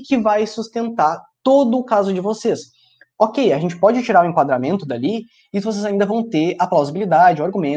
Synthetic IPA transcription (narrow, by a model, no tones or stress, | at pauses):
kɪvajsust̪ẽnt̪aɾt̪od̪ʊːkazʊd͡ʒɪvoses | okejaʒẽnt͡ʃɪ̥pɔd͡ʒɪt͡ʃiɾaɾʊẽŋkwad̪ɾamẽnt̪ʊd̪ali | ɪvos̬ezaĩnd̪ɐvɐ̃w̃t̪eɾaplawzibilid̪ad͡ʒɪʊaɾɡumẽ